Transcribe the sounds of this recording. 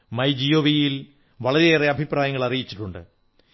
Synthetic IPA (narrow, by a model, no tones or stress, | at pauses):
mɐjd͡ʑijoːʋijil | ʋɐɭɐɾiːreɐbʱipraːjɐŋːɐɭɐrijit͡ɕːi̥ʈːuɳɖɨ̰